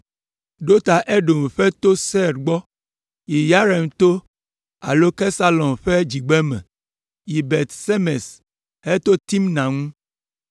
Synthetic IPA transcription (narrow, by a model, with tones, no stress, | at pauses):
ɖo˦t̪a˨ʔe˦ɖo˨m˨ɸɛ˦t̪o˦sɛ˦ɾɡ͡bɔ˦ | ji˨ja˦ɾɛ˨n˨t̪o˦ | a̰˨lo˦ke˦sa˦lɔ̃˨mɸɛ˦d͡ʒi˨ɡ͡bɛ˦mɛ̰̃˨ | i˨be˨t̪se˦me˨s | he˦t̪o˦t̪i˦mnã˨ŋũ˦